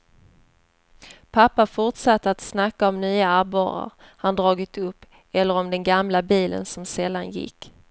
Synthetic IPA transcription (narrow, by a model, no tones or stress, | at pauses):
pʰapːafʊʈʂat̪ːəat̪snakːaɔmnyːaabɑ̰ːɾa̰ɾhand̪ɾɑːɡɪt̪ɵpː | ɛlːəɾɔmd̪ɛnɡamlabiːlə̰nsɔmsɛld̪ːanjɪ̰kː